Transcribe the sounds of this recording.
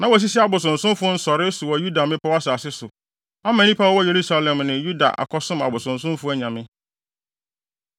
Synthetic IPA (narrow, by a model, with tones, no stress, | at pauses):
nã˨wɔ˨s̬i˦sɛ˦a˨bʊ˨s̬ʊ̃˨n̩˨sʊ̃˦mfʊ˦n̩˦sɔ˨ɾɪ˦sʊ˨wɔ˨ju˦da˨mɪ̃˦pʰa˦wa˦saː˨sɪ˦sʊ˨ | a˦mã˨nĩ˦pʰa˦wɔ˦wɔ˦je˨ɾu˦sa˨lɛ̃˨mnɪ̃˨ju˦da̰˨ʔa̰˨kʰɔ˦sʊ̃˦ma̰˨bʊ˨sʊ̃˨n˨s̬ʊ̃˦mfʊ˦æ˦ɲã˨mɪ̃˦